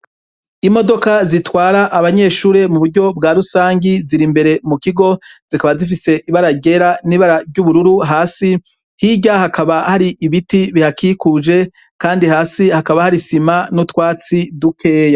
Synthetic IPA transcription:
imo̞do̞kazitwaːɾaʔːβaɲe̞ːʃuːɾe̞muβuɾɟo̞bɡaːɾusaːɲɟiziɾimbe̞ɾe̞mukiɡo̞z̥ikaβazif̬ise̞ʔiβaɾaɟe̞ɾaniːβaɾaɾɟuβuɾuɾuɦaːsi | hiɟahakʰaβahaɾiʔiβitiβihakiːkuːd͡ʒe̞ | kaːndihaːsihakaβahaɾisimanutwaːt͡sidukʰe̞ːja

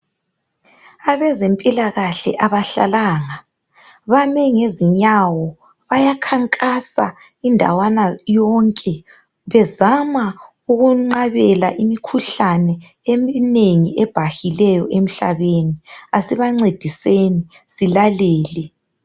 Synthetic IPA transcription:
aβɛzempʼilaɣaɬɛ̰ʔaβaɬa̰laːŋa | βamɛŋeziɲawɔ | βajakʰaŋkʼasa̰ | indʱa̰wanajɔŋkʼɛ | βɛzama | uɣuŋ͡ǀaβɛla̰ʔimikʰuɬanɛ | emineŋiʔɛb̥ʱahilɛjɔ̰ʔem̩ɬa̰βeːniasiβaŋ͡ǀed̥ʱiseni | silalɛːlɛ

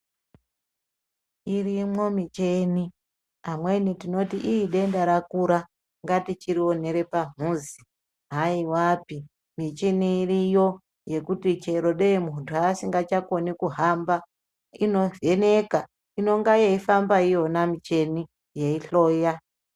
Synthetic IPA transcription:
irimo̞mit͡ʃeni | amwe̞nitino̞tiʔiiɗe̞ndaɾakuɾa | ŋɡatit͡ʃiɾio̞ne̞ɾe̞pam̤uːzi | ɦaiwaːpi | mit͡ʃiniːrijo̞ | je̞kutit͡ʃe̞ɾo̞ɗemuntʰuasiŋɡat͡ʃako̞nikuɦamba | ino̞e̞ne̞ka | ino̞ŋɡajeifambaijo̞namit͡ʃe̞ni | je̞iɬo̞ːja

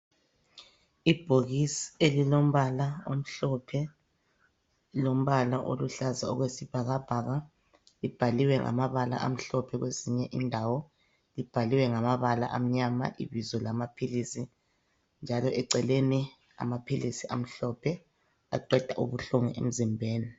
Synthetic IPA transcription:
ib̥ʱoɣisielilom̩βalaom̩ɬɔpʰɛ | lom̩βalaʔo̰luɬazaɔ̰ɣwesib̥ʱaɣab̥ʱaɣa | lib̥ʱaliwɛŋʔa̰maβala̰ʔa̰m̩ɬɔpʰɛɣweziɲɛʔindʱawɔ | lib̥ʱaliwɛŋamaβala̰ʔam̩ɲama̰ʔḭβizɔlamapʰilisi | nd͡ʒʱalɔɛǀɛleni | a̰mapʰilisiʔam̩ɬɔpʰɛ | a̰ǃɛd̥ʱaʔuβuɬuŋɛ̰ʔḛm̩zimbʱeːni

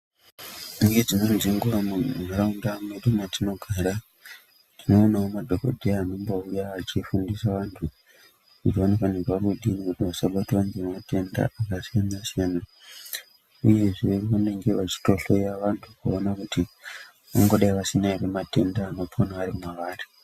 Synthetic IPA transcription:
nued͡zinonziŋɡuramumaɾaundamuneɗomatino̞ɡʱaɾa | tino̞ːnaomadʱo̞ko̰dʱiaːno̞mboujaːt͡ʃifundisaʋantʰu | ut͡ʃionekaneɡaɾuɗinikutiʋasaɓatiʋaŋɡemate̞nda̰akasanasena | uje̞ʐiʋeriʋane̞ŋɡe̞ʋat͡ʃi̥to̞ɬo̞jaʋantʰukuonakuti | ʋaŋɡo̞ɗaiʋasinairemate̞ndaːno̞pʰonaaɾimwaʋaːri

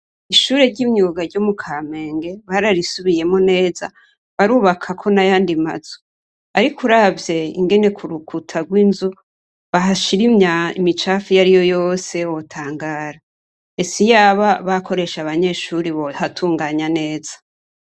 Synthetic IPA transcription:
iʃuːɾe̞ɾɟimɲuːɡaɾɟomukʰame̞ːŋɡe̞βaɾaɾisuβije̞mone̞ːza̰ | βaɾuːβakʰakʰo̞najaːndima̰z̥o̥ | aɾikʰuɾavje̞ḭŋɡe̞ne̞kʰuɾukʰutʰaɡwiːnzu | βaɦaʃiɾimɲaḭmit͡ʃafijaɾijo̞jo̞se̞wotʰaːŋɡaːɾa | esijaβaβakʰo̞ɾe̞ʃaβaɲe̞ʃuɾiβohatʰuːŋɡaːɲane̞ːzḁ

